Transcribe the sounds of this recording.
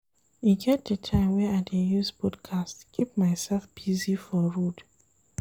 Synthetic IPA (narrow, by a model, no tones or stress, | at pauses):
jiɡɛt̚dətʰãɪ̃mwɛaɪdejuzbɔdkʰastkʰip̚maɪsɛlfb̥izifɔɹud